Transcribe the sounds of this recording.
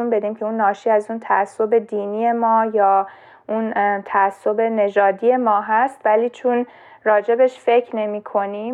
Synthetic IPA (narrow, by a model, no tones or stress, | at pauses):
unbe̞d̪iːmcʰe̞unːɒːʃiːæzuːnt̪ʰæʔæsːo̞be̞d̪iːniːje̞mɒːjɒː | unt̪ʰæːsːo̞be̞ne̞d͡ʒɒːd̪iːje̞mɒːɦæst̪væliːt͡ʃʰun | rɒːd͡ʒe̞be̞ʃfe̞kʰne̞miːkʰo̞ni